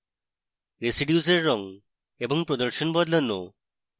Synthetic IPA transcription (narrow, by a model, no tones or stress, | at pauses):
ɾesiɖijuseɾːɔŋ | eboŋpɾod̪əɾʃonbɔd̪lanːo̰